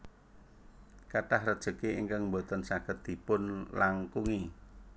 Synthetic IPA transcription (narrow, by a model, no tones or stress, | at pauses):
kaʈahrəd̥ʒ̥ə̤keiŋkaŋmbot̪ənsaɡ̥ət̪̚d̪̥i̤pʊnlaŋkuŋi